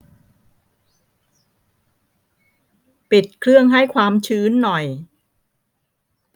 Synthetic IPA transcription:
pi˨˩t̪̚kʰɾɯ˥˩əŋɦa˥˩jkʰwaː˧mt͡ɕʰɯː˦˥nːɔ˨˩j

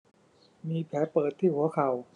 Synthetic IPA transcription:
miː˧pʰɛː˩˥pɤː˨˩t̪ʰːiː˥˩hu˩˦ɐkʰa˨˩w

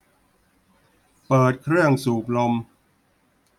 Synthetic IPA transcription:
pɤː˨˩t̪̚kʰɾɯ˥˩əŋsuː˨˩p̚lo˧m

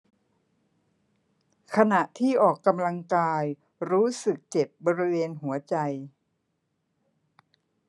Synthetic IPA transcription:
kʰa˧na˨˩ʔt̪ʰiː˥˩ʔɔː˨˩kːa˧mla˧ŋkaː˧j | ɾuː˦˥sɯ˨˩k̚t͡ɕe˨˩p̚bɔː˧ɾi˦˥weː˧nɦu˩˦ɐt͡ɕa˧j

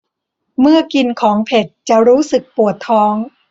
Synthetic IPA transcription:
mɯ˥˩ɐki˧nkʰɔː˩˦ŋpʰe˨˩t̪̚t͡ɕa˨˩ɾuː˦˥sɯ˨˩k̚pu˨˩ət̪ʰːɔː˦˥ŋ

